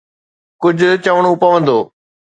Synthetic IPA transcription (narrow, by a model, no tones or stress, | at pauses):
kʊd͡ʑʱʊt͡ɕəʋəɽ̃ũpɐʋə̃nd̪oː